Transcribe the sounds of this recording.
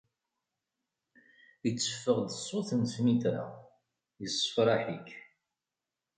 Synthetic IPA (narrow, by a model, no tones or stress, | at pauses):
it͡sːə̥fːəʁd̪əsˤːoθənsmiθɾa̰ | jəsˤːə̥fɾˤɑħik